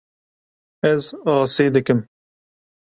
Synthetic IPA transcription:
ɛzɑːseːd̪ɨkɨm

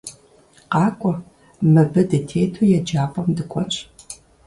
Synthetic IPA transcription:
qɑːkʷʼɔ | mɨbɐdɨtʰeːtʰojɛd͡ʒaːpʼɔmdɨkʷʰʼɔnɕ

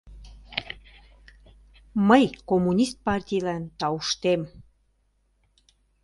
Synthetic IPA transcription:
məjkomːunʲist̪̚pɑrtʲijlænt̪ɑuʃt̪em

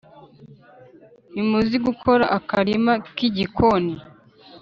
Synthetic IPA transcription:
imuziɡukʰo̞ɾaʔakaɾimakiɟikʰoni

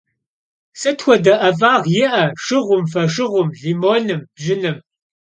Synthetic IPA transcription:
sɨtxʷɔdɐʔɐvaːʁjɪʔɐʂɨʁʷʊmfɐʂɨʁʷʊmɮiːmoːnɨmb̥ʒɪnɨm

